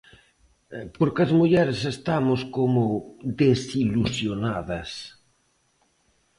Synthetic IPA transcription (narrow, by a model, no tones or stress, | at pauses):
poɾkɐzmuʎɛɾesest̪amoskomod̪esilusjonaðɐs